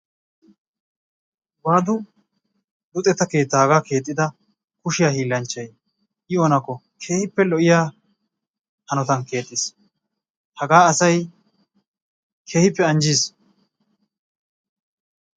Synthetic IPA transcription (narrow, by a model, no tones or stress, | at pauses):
baːd̪ʊ | d̪ʊt̪ʼɛt̪ːɐke̞ːt̪ːaːɡaːke̞ːt̪ʼːɪd̪ɐ | kʊʃɪjahiːlːɐnt͡ʃːɐj | ʔɪɔnɐkːɔ | kʰe̞ːhɪpːɛlɔʔɪjaː | hɐnɔt̪ɐnke̞ːt̪ʼːɪs | hɐɡaːɐsɐj | kʰe̞ːhɪpːɛɐnd͡ʒiːs